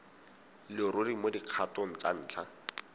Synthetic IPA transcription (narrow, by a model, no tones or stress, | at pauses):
lɪɾʊdimodiq͡χʰatɔn̩t͡sa̰n̩ːt͡ɬʰa